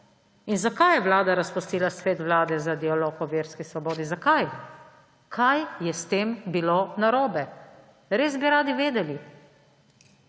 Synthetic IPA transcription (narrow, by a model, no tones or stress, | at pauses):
inzakajjɛʋlaːd̪aɾaspust̪iːlasʋeːt̪ʋlaːd̪ɛzad̪ialoːkɔʋeːɾskisʋɔboːd̪izakaj | kʰajjɛst̪eːmbilonaɾoːbɛ | ɾeːzbiɾaːd̪iʋeːd̪ɛli